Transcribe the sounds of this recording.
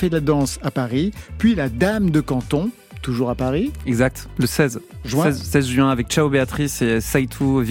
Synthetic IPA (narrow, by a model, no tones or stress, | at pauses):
fɛlad̪ɑ̃sapaʁipɥilad̪amd̪əkɑ̃t̪ɔ̃ | t̪uʒuʁapaʁiɛɡzak̚t̪ləsɛzʒwɛ̃ɛzsɛzʒɥɛ̃avɛk̚t͡ʃaobeat̪χisesajt̪ʰuv